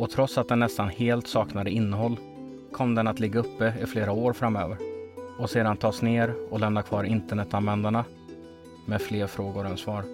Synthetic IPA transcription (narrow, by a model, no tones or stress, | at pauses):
ɔt̪ʰɾɔt̪sat̪̚d̪ɛnːɛst̪anheːlt̪sɑːknad̪əɪnːəɦɔlː | kʰɔmd̪ɛnat̪lɪɡːaɵpːəɪfleːɾaoːɾfɾamːøːvəɾɔseːd̪ant̪ʰɑːsneːɾɔlɛmnakʰvɑːɾɪnt̪əɳɛt̪ːanvɛnd̪aɳa | meːfleːɾfɾoːɡʊɾɛnsvɑːɾ